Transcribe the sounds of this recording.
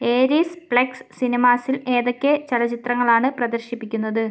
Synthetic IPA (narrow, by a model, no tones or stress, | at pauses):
eːɾisbɭekssinimaːsile̞ːðokʲːet͡ɕɐlɐt͡ɕit̪rɐŋːɐɭaːɳɨprɐd̪ɐrɕipːikʲːunːɐðɨ